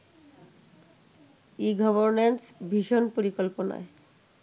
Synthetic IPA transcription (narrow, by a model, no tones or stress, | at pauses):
iɡɔboɾnensbʱiʃonpoɾikolponɔ̰e